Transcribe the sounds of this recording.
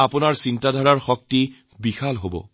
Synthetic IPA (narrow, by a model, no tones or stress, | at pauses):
apʊnaɹsintadʱɔɹaɹxɔk̚ti | bixalɦobɔ̰